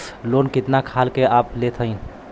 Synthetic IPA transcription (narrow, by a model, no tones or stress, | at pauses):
lonkɪt̪nakʰalkeaːplet̪ʰəɪn